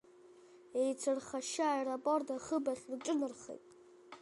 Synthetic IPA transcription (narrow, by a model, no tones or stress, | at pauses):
ejt͡sʰɨrχaʃaajrapʼordaχəbaχʲrʈ͡ʂʼɨnɨrχḛjtʼ